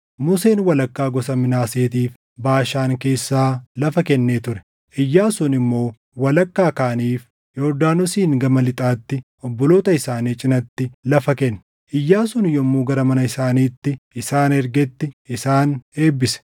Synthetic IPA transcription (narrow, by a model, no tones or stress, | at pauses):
mʊseːnwɐlɐkːaːɡɔsɐmɪnaːseːt̪iːf | baːʃaːŋke̞ːsːaːlɐfɐkɛnːeːt̪ʊɾɛ̥ | ʔɪjːaːsʊnɪmːo̞ː | wɐlɐkːaːkaːniːf | joɾd̪aːnʊsiːŋɡɐmɐlɪt̪ʼaːt̪ːɪ | ɔbːɔloːt̪ɐɪsaːniːt͡ʃʼɪnɐt̪ːɪlɐfɐkɛnː | ʔɪjːaːsʊnjɔmːuːɡɐɾɐmɐnɐɪsaːniːt̪ːɪɪsaːnɛɾɡɛt̪ːɪɪsaːneːbːɪsɛ̥